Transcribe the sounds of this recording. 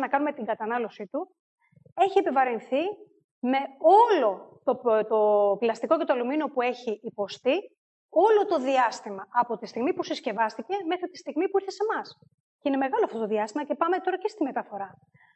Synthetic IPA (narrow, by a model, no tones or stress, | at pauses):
nɐkɐnume̞t̪iɡɐt̪ɐnɐlo̞sit̪u | e̞çiepevɐɾinθi | me̞o̞lo̞t̪o̞t̪oplɐst̪iko̞cet̪oɐlumino̞pue̞çiʔːpo̞st̪i | o̞lo̞t̪o̞ðiɐst̪imɐɐpo̞t̪ist̪iɣmipusisce̞vɐst̪ice̞me̞xɾit̪i̥st̪iɣmipuiɾθe̞se̞mɐs | ceineme̞ɣɐloɐft̪ot̪oðiɐst̪imɐcepɐme̞t̪o̞ɾɐcest̪ime̞t̪ɐfo̞ɾɐ